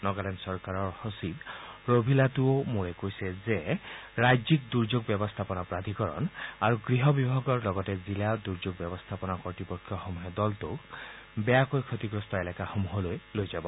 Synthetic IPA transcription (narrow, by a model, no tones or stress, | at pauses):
nɔɡalɛnsɔɹkaɹɔɹhosit̪ɹobʱilatuomuɹɛkojsɛzeɹajzik̚d̪uɹd͡ʒoɡbjɔbɔst̪ʰapɔnapɹad̪ʱikɔɹɔ̰naɹuɡɹiɦɔbibʱaɡɔɹlɔɡɔtɛzilad̪uɹd͡ʒoɡ̚bjɔbɔst̪ʰapɔnakɔɹtipɔkʰːjɔxɔmuɦɛd̪ɔltok | bɛjakojkʰot̪iɡɹɔst̪ɔelɛkaxomuɦɔlojlojzabɔ